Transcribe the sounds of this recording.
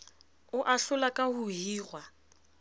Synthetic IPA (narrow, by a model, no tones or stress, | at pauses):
ʊʔaɬʊlakʼahuɦiːrwa